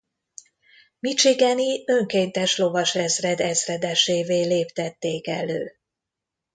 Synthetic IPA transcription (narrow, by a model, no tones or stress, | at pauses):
mit͡ʃiɡɛniø̞ŋkeːnt̪ɛʃlo̞vɒʃɛzrɛd̪ɛzrɛd̪ɛʃeːveːleːpt̪ɛt̪ːeːkɛløː